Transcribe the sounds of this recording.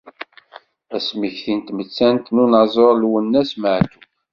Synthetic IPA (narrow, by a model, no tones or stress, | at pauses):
æsmiçθint̪mət͡sːænt̪nunɑzˤoɾˤlwənːæsməʕt̪u